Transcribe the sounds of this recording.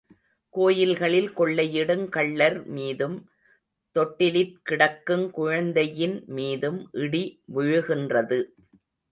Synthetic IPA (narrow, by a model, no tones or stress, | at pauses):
koːjɪlɣɐɭɪlkɔɭːɐjɪɽɯŋkɐɭːɐɾmiːðɯm | t̪ɔʈːɪlɪp̚kɪɽɐkːɯmkʊɻɐnd̪ɐjɪnmiːðɯmʔɪɽiʋʊɻɯɣɪndrɐðɯ